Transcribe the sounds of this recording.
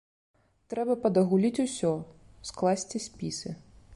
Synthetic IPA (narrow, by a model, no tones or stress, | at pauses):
t̪ɾɛbɐpɐd̪ɐɣulʲit͡sʲusʲɔ | sklˠasʲt͡sʲisʲpʲisɨ